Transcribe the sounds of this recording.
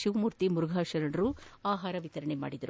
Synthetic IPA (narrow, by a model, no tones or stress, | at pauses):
ʃiʋmuːɾt̪imuɾuɡʱaːʃɐɾɐɳɾuaːɦaːɾɐʋit̪ɐɾɐɳema̰ːɽid̪ɐɾu